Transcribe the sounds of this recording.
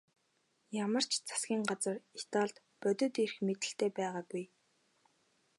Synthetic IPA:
jamə̆r̥t͡ɕʰt͡sʰḁsɡʲiːŋɢat͡sə̆rit̪aːɮt̪ | pœt̪ʲʊ̆t̪irxmet̪ɘ̆ɬt̪eːpæːʁaːɡuj

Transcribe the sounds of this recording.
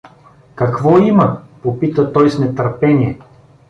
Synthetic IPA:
kɐkvɔiməpopit̪ət̪ɔjsnɛt̪əɾpɛniɛ

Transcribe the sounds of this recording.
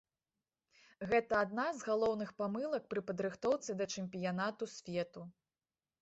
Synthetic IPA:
ɣɛt̪ɐad̪nazɣalˠɔwnɨxpamɨlˠɐk̚pɾɨpɐd̪ɾɨxt̪ɔwt̪sɨd̪ɐt͡ʂɨmʲpʲijanat̪usʲfʲet̪u

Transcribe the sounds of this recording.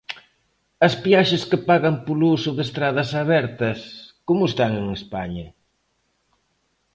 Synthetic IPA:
ɐspjaʃɐskəpaɣɐmpolusʊðest̪ɾaðɐsaβɛɾt̪ɐskomʊest̪aŋeŋespaɲɐ

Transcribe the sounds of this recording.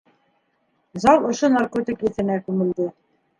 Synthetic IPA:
zɑlˠŏʃonarkot̪ʲikɘ̆θɘ̆nækʉŋɘ̆ld̪ɘ

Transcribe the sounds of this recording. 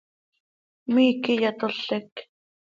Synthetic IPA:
miːkɪjat̪oɬek

